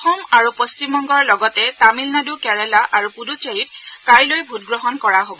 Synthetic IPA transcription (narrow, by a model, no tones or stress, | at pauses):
ɔxɔmaɹupost͡ʃimɔŋɡɔɹlɔɡɔtɛtamilnadukɛɹɛlaʔaɹupuduseɹit̚kaɹlojbʱut̚ɡɹɔɦɔnkɔɹaɦobɔ